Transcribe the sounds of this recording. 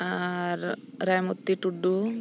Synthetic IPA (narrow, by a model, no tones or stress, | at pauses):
aɾɾajmɔt̪ːiʈuɖːu